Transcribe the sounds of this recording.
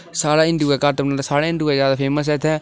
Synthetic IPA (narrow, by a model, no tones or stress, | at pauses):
saːɽaːɪ̃ɳɖuːɛːkəɾt̪əpnaːd̪asaːɽaːɪ̃ɳɖuːɛːzjaːd̪aːpʰeːməs̬ɛːt̪ʰɛː